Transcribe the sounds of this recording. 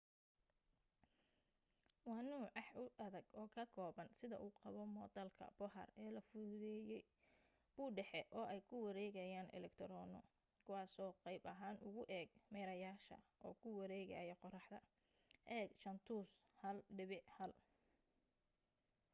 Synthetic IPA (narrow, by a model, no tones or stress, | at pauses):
wɑnuːʕɑħʊʔɐðɐɡɔːkʰɐkʰɔːβɐnsɪðɐ̰ʔuːqɑβɔmɔːt̪ɐlkʰɐ̰b̥ɔɦɐ̰rɛːlɐfʊðɛːjɛj | b̥uːɖɛħɛʔɔːɛjkʰʊwɐɾɛːɣɐjaːnɛ̰lɛkt̪ʰɾɔːnɔ̰ | kʰʊwɑːsɔːqɑjbɐɦaːnʊɣʊʔɛːɡmɛːɾɐjaːʃɐ̰ʔɔːkʰʊwɑɾɛːɣɐjɛqɔrɑħd̪ɐ | ʔɛːɡt͡ʃɐnt̪ʰuːshɐlɖɪβɪʕhɐl